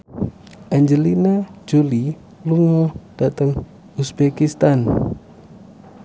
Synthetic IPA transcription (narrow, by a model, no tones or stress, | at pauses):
ʔaɲd͡ʒəlinad͡ʒuli | luŋɔd̥at̪əŋ | usbekist̪an